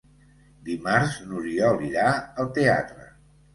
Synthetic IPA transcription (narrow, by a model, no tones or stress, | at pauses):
d̪imaɾznuɾiɔliɾaəlˠt̪ea̰t̪ɾə̰